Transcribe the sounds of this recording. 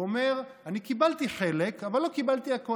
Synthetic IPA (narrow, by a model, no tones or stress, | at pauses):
ome̞ʁanikibalt̪iχelekavalːo̞kibalt̪iako